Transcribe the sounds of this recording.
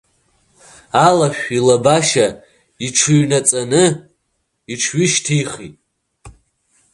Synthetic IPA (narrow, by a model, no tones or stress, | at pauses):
alaʃᶣʷilabaʃa | iʈ͡ʂʰɨɥnat͡sʼanɨ | iʈ͡ʂʰɥɪʃtʰiχitʼ